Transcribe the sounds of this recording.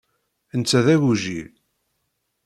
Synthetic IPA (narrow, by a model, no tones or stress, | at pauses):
ənt͡sːæðæwuʒi